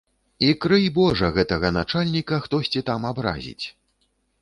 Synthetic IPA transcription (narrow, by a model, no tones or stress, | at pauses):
ikɾɨjbɔʐɐɣɛt̪ɐɣɐnat͡ʂalʲnʲikɐxt̪ɔsʲt͡sʲit̪amabɾa̰zʲḭt͡sʲ